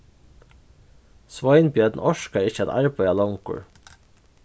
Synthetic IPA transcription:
sʋɔɪnbjœːd̪n̩ʔɔʃkɑɾɪçəɛt̪ɑ̰ɹbœʏɑlɔŋkʊ̰ɹ

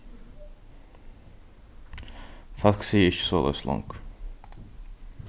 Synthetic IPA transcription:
fɑlksiːəɪçə̥soːlø̰ːslɑ̰ŋk

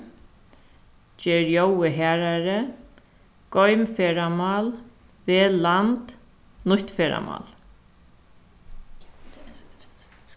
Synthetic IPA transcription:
t͡ɕɛːɾjowɪɦɛːɾaɾɪ | kɔɥmfɛːɾamaːl | vɪlant̪ | nʊht̪fɛːɾa̰ma̰ːl

